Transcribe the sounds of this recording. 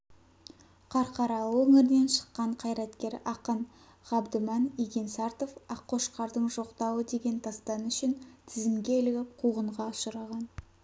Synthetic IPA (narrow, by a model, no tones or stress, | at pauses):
qʰɑɾqʰɑɾɑlˠwɵŋɪɾɪne̞nʃə̥qːɑɴqʰɑjɾɑt̪kʲe̞ɾɑqən | ʁɑbd̪əmɑniɡʲe̞nsɑɾt̪ofɑqʰːo̞ʃqɑɾd̪əɴʒo̞qt̪ɑwəd̪e̞ɡʲe̞nt̪ʰɑst̪ɑnʏʃɪnt̪ʰɪzɪmɡʲelɪɡʲɪp̚qʰuʁəɴʁɑʊʃəɾɑʁɑn